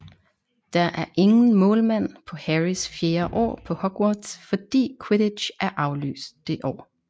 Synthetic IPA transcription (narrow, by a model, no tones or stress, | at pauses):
d̥ɑ̈ʔæɐʔe̝ŋn̩mɔ̽ːlmæn̰pʰɒ̽hæʁisfjeːɐʔɒ̰ːpʰɒ̽hɒ̽ɡ̥wɒd̥sfɒ̽d̥ḭːkʰweɾe̥ɕʔæɐʔɑ̈ʊly̰ːsd̥ːe̝ʔɒ̰ː